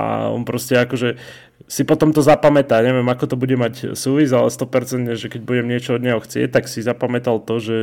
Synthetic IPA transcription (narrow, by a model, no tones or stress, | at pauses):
a̰ɔ̰npɾɔscɛakɔʒɛ | sipɔt̪ɔmt̪ɔzapamɛt̪aɲɛʋɪɛmakɔt̪ɔbuɟɛmacsuːʋizalɛst̪ɔpɛɾt͡sɛnt̪ɲɛʒɛkɛɟ̚buɟɛmɲɪɛt͡ʃɔɔd̪ɲɛɦɔxt͡sɪɛ̰c̚t̪aksizapamɛt̪alt̪ɔʒɛ